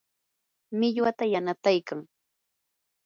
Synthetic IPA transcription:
mɪʎwat̪ajanat̪ajkaŋ

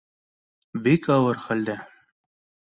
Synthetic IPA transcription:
bikɑwɤɾχæld̪æ

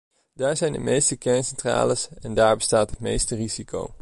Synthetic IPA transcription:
d̥aːɹzɛjndə̰mejstəkɛɹnsɛntra̰ːləsɛndaːɹbəstaːtɦətmḛjstəriziko̰w

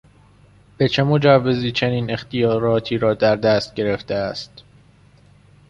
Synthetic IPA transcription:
b̥e̞t͡ʃʰe̞mo̞d͡ʒævːe̞ziːt͡ʃʰe̞niːne̞xt̪ʰijɒːɾɒːt̪ʰiːɾɒːd̪æɾd̪æːst̪̚ɟe̞ɾeft̪eæst̪

